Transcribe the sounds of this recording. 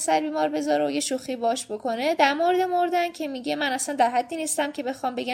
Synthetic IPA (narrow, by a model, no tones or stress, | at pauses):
sæɾbiːmɒːɾbe̞zɒɾeoje̞ʃuxibɒɒʃbo̞kʰo̞ne̞d̪æɾmoɾed̪emoɾd̪æncʲʰe̞miɟe̞mænæsænd̪æɾɦæd̪ːiːniːst̪æmcʰe̞be̞xɒːmbe̞ɡæ